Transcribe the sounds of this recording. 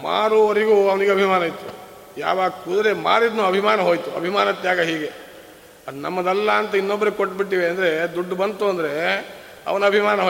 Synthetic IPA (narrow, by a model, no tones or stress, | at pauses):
ma̰ːɾuoɾiɡuːɐʋɐniɡeɐbʱimaːnɐjt̪u | ja̰ːʋaːɡkud̪ɐɾema̰ːɾid̪nuːɐbʱimaːnɐɦo̞ːjt̪uɐ̰bʱimaːnɐt̪jaːɡɐɦiːɡe | ɐd̪unɐ̰mːɐd̪ɐlːɐːnt̪ɐinːobːɐɾukoʈːbiʈːiːʋeɐnd̪ɐɾe̞d̪uɖːbɐnt̪uɐnd̪ɐɾe̞ | ɐ̰ʋɐnɐbʱimaːnɐɦo